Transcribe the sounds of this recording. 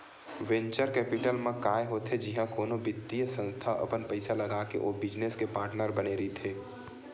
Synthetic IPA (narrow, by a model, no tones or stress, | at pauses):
wɛ̃ɲt͡ʃəɾkɛːpɪʈəlmẽkaːjɦot̪ʰed͡ʒɪɦãkoːnobɪd̪ijəsə̃nst̪ʰaʔə̰pənpəɪsalɐɡaːkḛʔoːbɪd͡ʒneskepaːɾʈnəɾbəneɾəɦit̪ʰeː